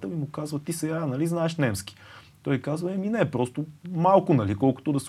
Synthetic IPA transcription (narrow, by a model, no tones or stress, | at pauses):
t̪əmimʊkazvɐt̪isɛɡanɐliznaɛʃnɛmski̥ | t̪ɔjkazvɐɛminɛpɾɔst̪ʊmalˠkʊnɐlikɔlˠkʊ̥t̪ʊd̪ɐs